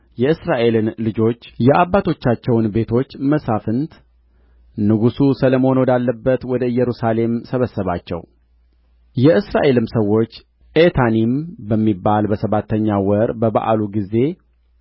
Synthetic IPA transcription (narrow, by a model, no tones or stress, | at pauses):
jɛɨsɾaʔe̞lɨnlɨd͡ʒo̞t͡ʃːjɛʔabːat̪ʰo̞t͡ʃːat͡ʃːɛwnbe̞t̪ʰo̞t͡ʃːməsafɨnt̪ | nɨɡususələmo̞nowd̪alːəbːət̪wɔd̪əɨjːɛɾusale̞msəβəsːəβat͡ʃːɛ̰w | jɛɨsɾaʔe̞lɨmsəwːo̞t͡ʃː | ʔet̪ʰanimbəmːibːalbəsəβat̪ʰːəɲːawəɾbəβa̰ʔa̰luɡize̞